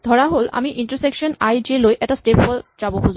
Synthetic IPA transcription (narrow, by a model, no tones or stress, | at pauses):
d̪ʱɔɹaɦola̰miʔiɳʈəɾsekʃonajd͡ʑelojʔɛʈasʈepɔld͡ʑaboɦozu